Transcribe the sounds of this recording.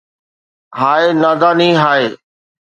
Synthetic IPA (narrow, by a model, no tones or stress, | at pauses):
ɦaːeːnaːd̪aːnĩːɦaːeː